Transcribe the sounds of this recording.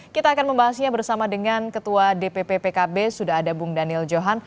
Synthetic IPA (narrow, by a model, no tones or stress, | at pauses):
kit̪aːkanməmbaɦasiɲabərsamadəŋankət̪uadepepepekabesudaɦadabuŋdanɪld͡ʒoɦan